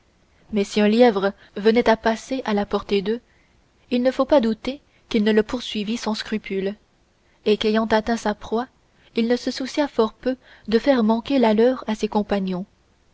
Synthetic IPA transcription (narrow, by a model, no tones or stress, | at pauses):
mɛsiœ̃ljɛvʁə | vənɛt̪apaseʔalapɔʁt̪ed̪ø | ilnəfopad̪ut̪e | kilnələpuʁsɥivisɑ̃skχypʰyl | ekejɑ̃t̪at̪ɛ̃sapχwa | ilnəsəsusjafɔʁpø | d̪əfɛʁmɑ̃kʲelalœʁasekɔ̃paɲjɔ̃